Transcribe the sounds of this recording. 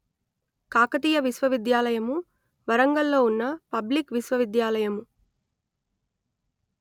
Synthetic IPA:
kaːkɐt̪iːjɐʋisʋɐʋid̪jaːlɐjɐmu | ʋɐɾɐŋɡɐlːo̞ːunːɐpɐblikʋisʋɐʋid̪jaːlɐjɐmu

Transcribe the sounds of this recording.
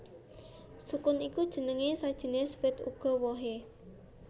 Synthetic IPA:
sukʊnikud̥ʒ̥ə̤nəŋesad̥ʒ̥ə̤nesfɪt̪ṵɡ̥ɔ̤wɔɦe

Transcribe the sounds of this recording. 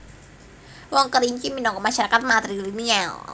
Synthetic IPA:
wɔŋkəɾiɲt͡ʃiminɔŋkɔmaʃaɾakat̪̚mat̪ɾilinial

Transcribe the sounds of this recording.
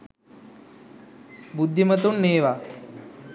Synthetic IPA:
bud̪ʱːimət̪uɳneːʋa

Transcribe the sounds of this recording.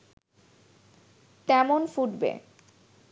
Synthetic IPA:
t̪ɛmonfuɖbḛ

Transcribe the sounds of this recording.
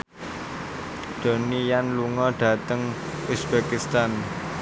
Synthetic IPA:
d̪̥o̤nijanluŋɔɖ̥ä̤t̪əŋ | usb̥ekist̪an

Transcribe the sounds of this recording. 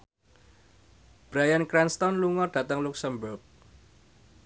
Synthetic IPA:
b̥ɾajankɾɛnst̪ɔnluŋɔrɖ̥ä̤t̪əŋluksəmbʊrk̚

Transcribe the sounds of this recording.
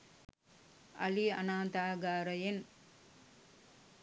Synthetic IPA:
ɐ̰lianaːnt̪aːɡaːɾɐjen

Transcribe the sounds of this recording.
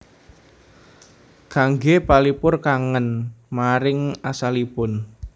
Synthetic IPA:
kaŋɡepalipʊrkaŋənmaɾɪŋasalipʊn

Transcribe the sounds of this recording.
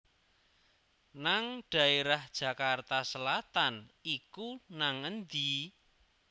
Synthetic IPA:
naŋɖ̥ä̤eɾahd̥ʒ̥ä̤kart̪asəlat̪anikunaŋənd̪i

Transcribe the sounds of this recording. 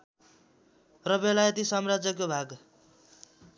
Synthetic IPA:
rʌbelajʌt̪isʌmrad͡zʌkobʱaɡ

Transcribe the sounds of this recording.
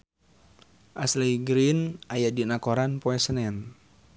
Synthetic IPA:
ʔaslijɡɾinajadinakɔɾanpɔɛsənɛn

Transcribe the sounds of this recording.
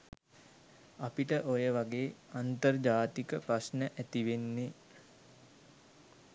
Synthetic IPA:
apiʈəʔojəʋaɡeːant̪ərd͡ʒaːt̪ikəpɾasnəʔæt̪iʋenːe

